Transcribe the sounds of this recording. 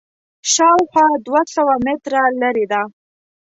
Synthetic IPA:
ʃɑwxwɑd̪wasawamɪt̪ɾalaɾed̪a

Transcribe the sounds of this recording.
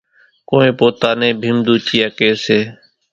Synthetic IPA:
koːẽːpoːt̪aːnẽːbʱimd̪uːt͡ʃijaːkeːseː

